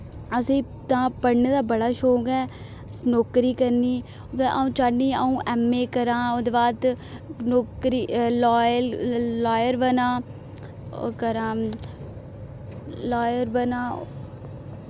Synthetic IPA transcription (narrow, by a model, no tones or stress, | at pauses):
əsĩː | t̪ãːpəɽnːd̪aːbəɽaːʃoːɡɛː | noːkɾiːkəɾniː | ʔaːũːt͡ʃaɽniːəũːʔɛːmːeːkəɾãːod̪eːbaːd̪ | noːkɾiːloːjlaːjəɾbənã̰ː | kəɾãː | laːjəɾbənãː